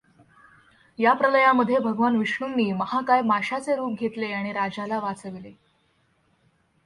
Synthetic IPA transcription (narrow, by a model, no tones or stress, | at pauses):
japɾələjaməd̪ʱːjebʱəɡʋanʋiʂɳunːiːməhakajmaɕat͡seɾuːp̚ɡʱet̪leaɽ̃iɾad͡ʑalaʋat͡səʋile